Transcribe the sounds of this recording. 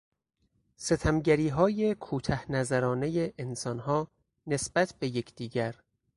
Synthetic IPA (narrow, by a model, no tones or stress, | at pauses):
se̞t̪ʰæmɟæɾiːɦɒːje̞kʰuːt̪ʰæhnæzæɾɒːne̞jeʔːnsɒnɦɒː | ne̞sb̥æt̪ʰbe̞jecʰd̪̥iːɟæɾ